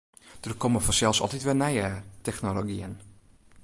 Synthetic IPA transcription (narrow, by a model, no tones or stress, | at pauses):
d̥ərkʰoməfɔnsɛlˠsɔ̰lˠtitʋɛlˠnɛjətɛxnoloɡiən